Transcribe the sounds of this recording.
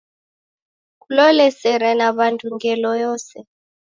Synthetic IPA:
kʼulɔlɛsɛɾɛnaβantʼuŋɡɛlɔjɔːsɛ

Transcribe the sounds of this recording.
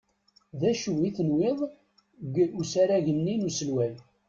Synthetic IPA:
ðæʃuiθənweðˤ | ɡusaɾæʝənːinusəlwæl

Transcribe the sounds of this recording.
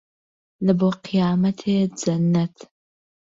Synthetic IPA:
lɨboqʰijaːmɐtʰeːjd͡zɐnɐtʰ

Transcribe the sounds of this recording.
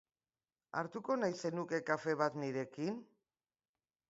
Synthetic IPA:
a̰ɾt̪uko̞najse̞nuke̞kafe̞βat̪niɾe̞kin

